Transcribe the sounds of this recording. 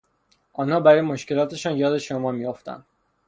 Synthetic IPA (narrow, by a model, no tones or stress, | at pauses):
ʔɒːnhɒːbæɾɒːjemoʃce̞lɒːt̪ʰe̞ʃɒːnjɒːd̪e̞ʃomɒːmijoft̪æ̰nd̪̥